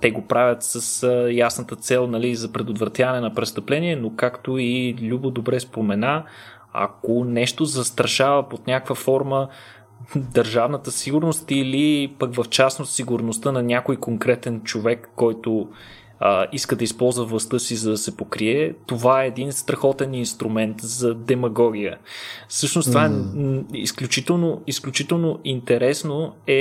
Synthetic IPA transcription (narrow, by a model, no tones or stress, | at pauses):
t̪ɛɡopɾavʲjət̪səsjasnət̪ət̪sɛlˠnɐlizɐpɾɛd̪ot̪vɾɐt̪javɐnɛnɐpɾɛst̪əplɛniɛnokakt̪oilʲubod̪obɾɛspomɛna | ɐ̰konɛʃt̪ozɐst̪ɾɐʃavəpot̪nʲakkvəfɔɾmə | d̪əɾʒavnət̪əsiɡʊɾnost̪ilipəkvɐft͡ʃasnot̪siɡʊɾnost̪ənɐnʲjakojkoŋkɾɛt̪ɛnt͡ʃovɛkːɔjt̪o | əiskəd̪ɐispɔlˠzvəvlˠɐst̪ɤsizɐd̪ɐsɛpokɾiɛt̪ovaɛːd̪inst̪ɾɐxɔt̪ɛninst̪ɾumɛnt̪zɐd̪ɛmɐɡɔɡ̟ʲijəfsɤʃnost̪ovaɛḭsklʲut͡ʃit̪ɛlˠnoisklʲut͡ʃit̪ɛlˠnoint̪ɛɾɛsnoɛ